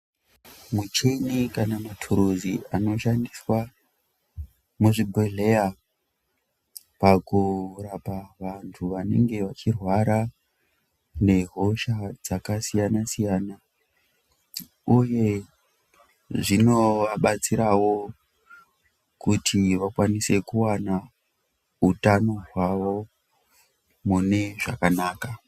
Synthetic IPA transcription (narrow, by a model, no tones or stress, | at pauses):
mut͡ʃenikanamatʰuɾuziʔano̞ʃandiswa | muʐibʱeɮe̞ja | pakurapaʋantʰuʋane̞̰ŋɡe̞ʋat͡ʃirwaɾa | ne̞ɦo̞ʃad͡zakasijanasijaːna | uje̞ | ʐino̞ʋaɓat͡siɾawo̞ | kutʰiʋakwanise̞kuwana | utano̞ɦwaʋo̞ | mune̞ʐakanaːka